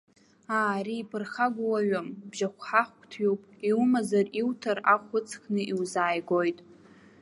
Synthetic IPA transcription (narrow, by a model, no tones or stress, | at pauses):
aːɾiːpʰɨrχaɡʷuwaɥambʒaχʷħaχʷkʷʰʼtʰɥupʼiwmazariwtʰaraχʷʊt͡sʰkʰʼnɨʔiwzaːjɡojtʼ